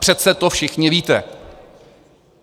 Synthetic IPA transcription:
r̝̥ɛt̪̚sɛt̪ofʃɪxɲɪviːt̪ɛ

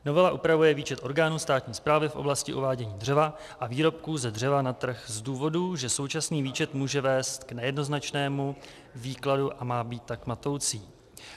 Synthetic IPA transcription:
no̞vɛlaʔupɾavujɛviːt͡ʃɛt̪ʔo̞ɾɡaːnuːst̪aːt̪ɲiːspɾaːvɪfʔo̞̰blascɪʔuvaːɟɛɲiːdr̝ɛva | ʔaviːɾo̞p̚kuzɛdr̝ɛvanat̪r̩xzduːvo̞duʒɛso̞wt͡ʃasniːviːt͡ʃɛt̪muːʒɛvɛːst̪knɛjɛdno̞znat͡ʃnɛːmu | viːkladuʔamaːbiːt̪ːakmat̪o̞wt͡siː

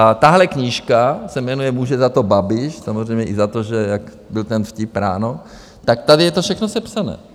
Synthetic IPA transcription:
t̪aɦlɛkɲɪʃkasɛmɛnujɛmuːʒɛzat̪o̞babɪʃsamo̞zr̝ɛjmɲɛʔɪzat̪oʒɛjak | bɪlt̪ɛnfcɪpɾa̰ːno | t̪ak̚t̪adɪjɛt̪ofʃɛxnosɛpsanɛ̰ː

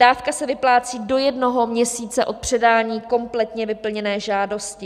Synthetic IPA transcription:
d̥aːfkasɛvɪplaːt͡siːdo̞jɛdno̞ɦo̞mɲɛsiːt͡sɛʔo̞t̪̚pr̝̥ɛdaːɲiːko̞mplɛt̪ɲɛvɪpl̩ɲɛnɛːʒaːdo̞scɪ

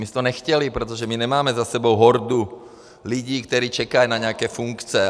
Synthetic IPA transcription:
mist̪ɔɲɛxcɛlipɾɛt̪ɔʒɛmiɲɛmaːmɛzasɛbɔʊɦɔɾd̪u | luɟiːkt̪ɔɾiːt͡ʃɛkajnaɲɛakɛːfuŋkt͡sɛ

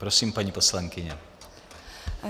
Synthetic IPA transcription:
pɾɔsiːmpaɲipɔslaŋkiɲɛ

